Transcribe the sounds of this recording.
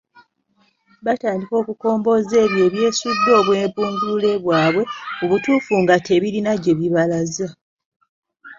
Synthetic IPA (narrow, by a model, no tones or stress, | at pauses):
bataːndiko̞ːkuko̞ːmbo̞ːze̞ːβje̞ːβje̞ːsudːo̞ːβwe̞ːmpuːnzule̞βwaːβwe̞oβutuːfuŋɡatʰe̞βilinaɟe̞βiβalaza